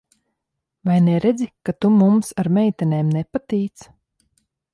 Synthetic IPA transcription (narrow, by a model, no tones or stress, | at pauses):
vajnɛɾɛd̪zikat̪umumsaɾmɛjt̪ɛnʲeːmnɛpat̪iːt̪s